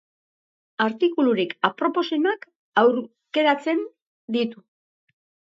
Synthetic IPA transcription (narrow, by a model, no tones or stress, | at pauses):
aɾt̪ikuluɾikapɾo̞po̞senak | awɾ | ke̞ɾat͡se̞n | d̪it̪u